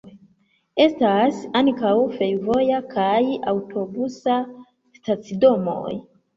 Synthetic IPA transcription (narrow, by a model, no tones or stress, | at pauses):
e̞stasaŋkawfe̞jvo̞jakʰajawtʰo̞busa | stat͡sido̞mo̞̰j